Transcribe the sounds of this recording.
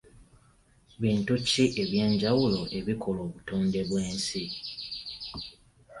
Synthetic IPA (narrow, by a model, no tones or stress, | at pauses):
βiːntucːiʔe̞βje̞ːɲɟawulo̞ʔe̞βikʰo̞lo̞ːβutoːnde̞βwe̞ːnsi